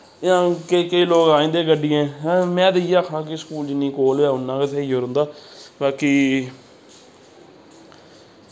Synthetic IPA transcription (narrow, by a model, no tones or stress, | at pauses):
ãːkəkəiːloːɡaːĩːnd̪eːɡəɖɪẽːmɛ̃ːd̪ɪiaːkʰãːk̬ɪskuːld͡ʒɪnːĩːkoːlɛːʊnːãːkɪt̪ʰɛːiːoːɾə̃nd̪aːbaːkiː